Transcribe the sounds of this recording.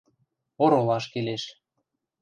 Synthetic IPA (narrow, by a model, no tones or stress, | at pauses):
oɾolɑʃkeleʃ